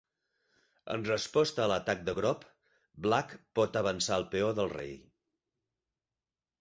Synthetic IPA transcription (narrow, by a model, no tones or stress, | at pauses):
ə̰nrəspɔst̪əːlət̪ak̚d̪əɣɾɔp | blakpɔt̪əβ̞ənsaəlˠpeoðəlˠrḛj